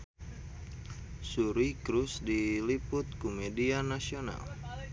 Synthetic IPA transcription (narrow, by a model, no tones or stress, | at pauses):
suɾikɾusdilipʊt̪̚kumedianasiona̰l